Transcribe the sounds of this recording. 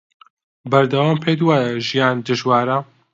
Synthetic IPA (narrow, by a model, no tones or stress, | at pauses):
bɐɾd̪ɐwaːmpʰed̪waːʒijaːnd̪ɨʒwaːɾɐ